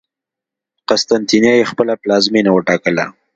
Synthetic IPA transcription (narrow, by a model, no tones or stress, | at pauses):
qast̪ant̪injɑjexpəlaplɑzminawəʈɑkəla